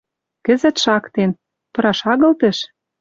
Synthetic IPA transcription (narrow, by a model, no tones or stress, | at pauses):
kə̆zə̆t̪ʃɑkt̪en | pɤ̆ɾɑʃɑɣɤ̆lt̪ə̆ʃ